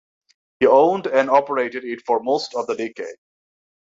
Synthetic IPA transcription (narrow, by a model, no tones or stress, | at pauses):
hiõʊ̃ndæ̃nɑpəɹeɪɾɨɾɪtfɔɹmoʊstʌvðədekeɪd̚